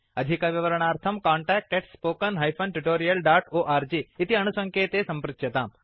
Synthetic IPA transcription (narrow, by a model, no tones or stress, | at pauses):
ɐd̪ʱikaʋiʋɐɾɐɽ̃aːɾt̪ʰɐmkãːɳʈɛːk̚ʈeʈspoːkɐnɦɐjpʰɐnʈuʈoːɾijɐlɖaːʈoːʔaːɾd͡ʒiːt̪iɐñusɐ̃ŋkʰeːt̪esɐ̃mpɾɪt̪ɐt̪aːm